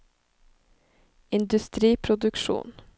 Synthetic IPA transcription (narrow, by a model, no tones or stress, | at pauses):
ɪnd̪ʉst̪ɾiːpʰɾʊd̪ʉkʃṵːn